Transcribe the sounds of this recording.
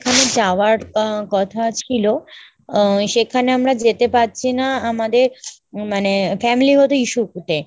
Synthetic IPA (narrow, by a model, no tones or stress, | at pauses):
ekʰaned͡ʒaʋaɽkɔt̪ʰat͡ʃʰilo | ʃekʰaneəmɽad͡ʒet̪epat̪̚t͡ʃʰinaːmad̪e | manefɛmiliɦot̪uiʃukut̪e